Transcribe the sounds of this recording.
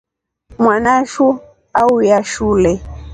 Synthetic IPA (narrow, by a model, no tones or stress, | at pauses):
mwanaʃu | aujaʃuːlɛ